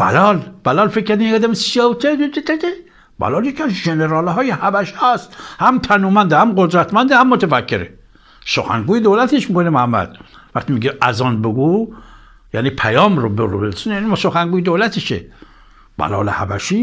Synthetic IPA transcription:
b̥æ̰lɒːlb̥ælɒːlfekʰːæɾd̪imiŋɡæd̪æmesewt̪ʰet̪et̪ed̪æd̪e | bæ̰lɒːljekʰiæzʒeneɾɑːlɦɒːjehæbæʃiæst̪hæmt̪ʰænuːmænd̪ehæmɡod̪ɾæt̪mænd̪ehæmːot̪ʰefækʰːeɾe | soxæ̰ŋɡuːjed̪owlæt̪ʰeʃmikonemohæmːæ̰d̪̥ | væχt̪imiɡeʔæzɒːnbeɡu | jæ̰nipʰæjɒːmɾobeɾṵbelsunjænimsoxæŋɡuːjed̪olæt̪ʰeʃḛ | b̥æ̰lɒ̰ːlḛhæ̰bæʃi

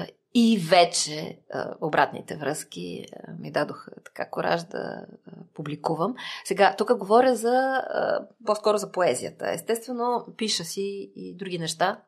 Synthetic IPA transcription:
ivɛt͡ʃɛə̰obɾʔat̪nḭt̪ɛvɾɤsk̟ʲḭəmid̪ad̪oxət̪ɐ̥ka̰koɾa̰ʒd̪ɐ̰publikuvəmsɛɡat̪ukəɡovɔɾʲəzɐə̰poskɔɾozɐpoɛzijə̰t̪ə̰ɛ̰st̪ɛst̪vɛnopiʃəsiːd̪ɾuɡinɛʃt̪a

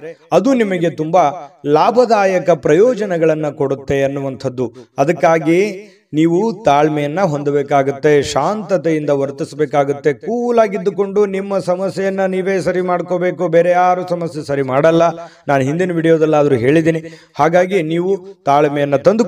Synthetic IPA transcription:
ɐd̪unimɐɡe̞t̪umbɐlaːbʱɐd̪aːjɐkɐpɾɐjɔːd͡ʒɐnɛɡɐɭɐnːɐko̞ɽut̪ːe̞ɐnːuʋɐnt̪ʰɐd̪ːuɐd̪ɐkːaːɡi | niːʋut̪aːɭmɛjɐnːɐɦo̞nd̪ɐbeːkaːɡut̪ːe̞ʃaːnt̪ɐt̪ejind̪ɐʋɐɾt̪isbeːkaːɡut̪ːe̞kuːlaːɡid̪ːuko̞ɳɖunimːɐsɐmɐsjɛjɐnːɐniːʋe̞ːsɐɾimaːɽkobe̞ːkubeːɾɛjaːɾusɐmɐsjesɐɾimaːɽɐlːɐnaːnuɦind̪inɐʋiːɽijoːd̪ɐlːaːd̪ɐɾuɦe̞ːɭid̪iːni | haːɡaːɡiniːʋut̪aːɭmɛjɐnːɐt̪ɐnd̪u

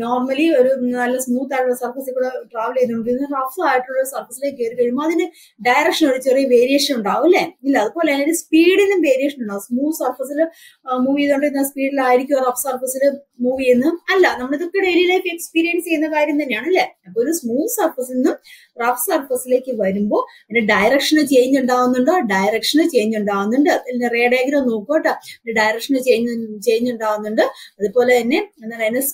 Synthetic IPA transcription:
noːrmɐlio̞ɾunɐlːɐsmuːt̪ːaːɻɐsɐrfɐsekʲːuːɽeʈraːʋɐlejnːuɳɖenːɨrɐfsaːjiʈːuɭːɐsɐrfɐsileːkːeɾukeɻumːoːɐðinɨ | ɖɐjrɐkʂɐnoɾit͡ɕːoreʋeːɾijeːʂɐnuɳɖaːɣumɐlːeilːɐːðɨpoːlenoɾuspiːɽenːɨmʋe̞ːɾijeʂɐnuɳɖasmuːtsɐrfɐsil | muːʋieðuɳɖeinːaspiːɽilaːjiɾikʲːuɐrɐfsɐrfɐsilɨmuːʋienːɨɐlːɐnɐmːɐɭeðokːeɽeliːlɐjkːɨekspiːɾijɐnst͡ɕe̞junːɐkaːɾjɐmt̪ɐnːejaːɳɐlːeɐpːooɾusmuːlsɐrfɐs̬iinːɨm | rɐfsɐrfɐsile̞ːkʲːɨʋɐɾumbo̞ː | inːeɖɐjɾɐkʂɐnɨt͡ɕejɲːuɳɖaːɣunːuɳɖoːɖɐjɾɐkʂɐnɨt͡ɕe̞jɲːuɳɖaːɣunːuɳɖɨenːere̞ːɖeːɡɾɐmno̞ːkːoʈːaːnːeɖɐjɾɐkʂɐnɨt͡ɕejɲːt͡ɕejɲːuɳɖaːɣunːuɳɖɨɐðupo̞ːle̞enːe̞enːaɽjnːes

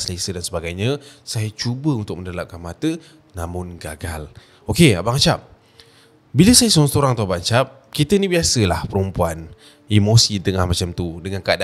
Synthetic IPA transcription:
səlasədansəbaɡajɲə̃sajat͡ʃubəunt̪ʊk̚mə̃ndalap̚kanmat̪ə | namʊnɡa̰ɡal | okea̰baʔŋt͡ʃap̚ | biləsajəsuɾaŋt̪uɾaŋt̪uabaʔt͡ʃap̚ | kit̪əinibiasəlahpəɾumpuan | imosit̪əŋahmat͡ʃamt̪udəŋankada

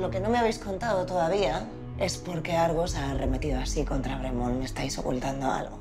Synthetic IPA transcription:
lo̞ke̞nome̞aβe̞jsko̞nt̪aðot̪o̞ðaβ̞ia | e̞spo̞ɾke̞aɾɣosare̞me̞t̪iðoasiko̞nt̪ɾaβɾe̞mõnme̞st̪ajso̞̰kṵlt̪and̪oa̰lɣo̰

